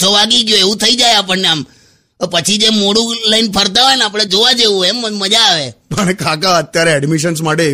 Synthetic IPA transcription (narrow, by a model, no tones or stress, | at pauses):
t͡ʃʰoʋaɡiɡjoeʋũt̪ʰəid͡ʒajapəɳneam | pət͡ʃʰid͡ʒemoɽũləinpʰəɾt̪̬aɦajnapɽ̃ed͡ʒoʋad͡ʒeũeməd͡ʒaːʋepəɳkãkaət̪jaɾeɛɖmiʃənsmaʈe